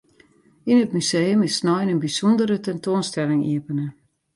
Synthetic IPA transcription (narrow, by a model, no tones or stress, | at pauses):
inətmysejəmɪsnɔjnənbisɔndəɾətɛntoːnstɛlɪŋḭəpənə